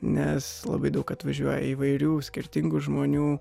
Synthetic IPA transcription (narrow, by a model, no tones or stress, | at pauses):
nʲɛslˠɐ̰bɐɪd̪ɐʊkɐt̪ʋɐʒʲuɔjɛ̰iːʋɐɪɾʲuːsʲkʲɪɾʲt̪ʲɪŋɡʊʒmoːnʲuː